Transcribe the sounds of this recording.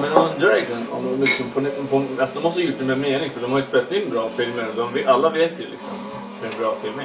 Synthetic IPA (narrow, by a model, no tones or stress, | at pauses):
mɛnand̪əɾɛɡənɔ̰mlɪksɔmpʰɔnpʰɔalsɔd̪ɔmːɔst̪əjʊʈːɛmɛmeːnɪŋfœɖɔmhaɾjəspeːlat̪ɪnbɾɑːfɪlməɾɔd̪ɔmvalːaveːt̪jɛlɪ̰ksɔm | ɛnbɾɑːfɪlmɛ